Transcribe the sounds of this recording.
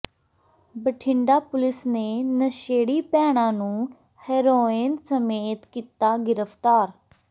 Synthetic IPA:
bəʈʰɪɳɖaːpʊlɪsneːnəʃeːɽiːpɛːɽ̃ãːnũː | hɛːɾoːɪːnsəmeːt̪kiːt̪aːɡɪɾəpʰt̪aːɾ

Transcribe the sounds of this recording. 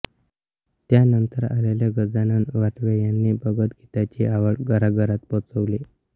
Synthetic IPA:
t̪janənt̪əɾa̰laljaɡəd͡zananʋaʈʋejanːiːbəɡət̪ɡʱit̪at͡ɕeaʋəɭɡəɾaɡəɾat̪pɔt͡səʋle

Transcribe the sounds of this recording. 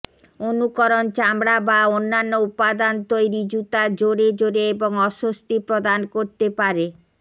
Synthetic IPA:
onukoɾont͡ɕamɽabaonːanːoupad̪ant̪ojɾid͡ʑut̪ad͡ʑoɾed͡ʑoɾeeboŋɔʃost̪ipɾod̪ankoɾt̪epaɾe

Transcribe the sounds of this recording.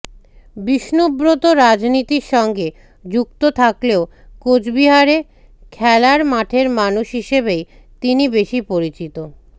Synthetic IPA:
biʃnobɾot̪oɾad͡ʑnit̪iɾʃɔŋɡe | d͡ʑukt̪ot̪ʰakleo | kod͡ʑbiɦaɾe | kʰɛlaɾmaʈʰeɾmanuʃɦiʃebej | t̪inibeʃipoɾit͡ɕit̪o

